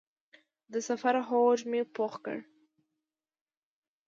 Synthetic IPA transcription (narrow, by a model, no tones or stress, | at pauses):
d̪əsafaɾɦod͡ʒmepoxkə̰ɽ